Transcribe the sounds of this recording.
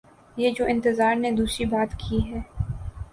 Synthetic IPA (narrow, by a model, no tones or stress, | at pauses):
jeːd͡ʒoːʔɪ̃nt̪ɪzaːɾned̪uːsɾibaːt̪kʰiɦɛː